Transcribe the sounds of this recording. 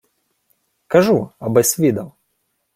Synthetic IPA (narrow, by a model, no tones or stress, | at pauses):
kɐʐuɐbɐsʲvʲid̪ɐw